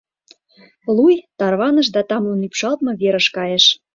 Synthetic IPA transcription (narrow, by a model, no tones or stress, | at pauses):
lujt̪ɑrβɑnə̆ʃ̬d̪ɑt̪ɑmunypʃɑlt̪mɤ̆βeɾə̆ʃkɑjeʃ